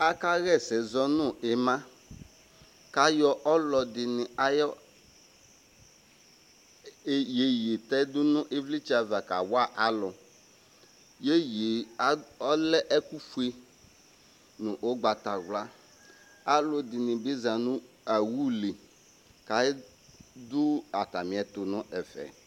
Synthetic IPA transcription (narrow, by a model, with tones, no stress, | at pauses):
a˦ka˦ɣɛ˦˨sɛ˨zɔ˦nʊ̃˦˨ɛ˨mã˦ | ka˨jɔ˦ʔɔ˦lɔ˨d̪ɪ˨nɪ̃˨a˦jɔ˦˨ | je˨je˨t̪ɛ˦d̪ʊ˦nʊ̃˦ʔe˦vli˦t͡ʃi˦a˨va˨ka̰˨wa˦˨ʔa˨lɔ˨ | je˦je˨a˦ɔ˦lɛ˦ʔɛ˦ku˦fu˦e˦ | nʊ̃˨ʔo˦ɡ͡ba˨t̪a˨ɣla˦ | a˦lʊ˨d̪ɪ˨nɪ̃˨bɪ˦zã˨nʊ̃˦ | a˨wu˦li˨ | ka˨˦ | d̪ʊ˦a˨t̪a˨mɪ̃˨ɛ˨t̪ʊ˨nʊ̃˦ʔɛ˨fɛ̰˨